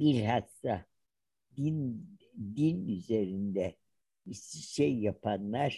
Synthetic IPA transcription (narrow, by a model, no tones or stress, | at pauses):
biɾɦast̪a | d̪ind̪inyze̞ɾind̪ɛ | isiʃejːapʰanlˠaɾ̥